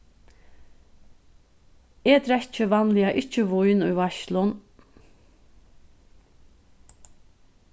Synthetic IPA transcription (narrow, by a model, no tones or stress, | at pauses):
eːd̪ɾɛt͡ʃəʋɑnlɪɑʔɪt͡ʃəʋuʏnuːʋɑʃlʊn